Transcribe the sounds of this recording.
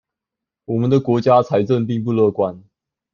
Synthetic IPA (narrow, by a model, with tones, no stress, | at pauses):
wɔ˨˩mə˦nd̪ə˨kwɔ˧˥t͡ɕja˥t͡sʰa˧˥ɪʈ͡ʂə˥˧ŋpi˥˧ŋp̬u˥˧lɤ˥˧˩kwa˦n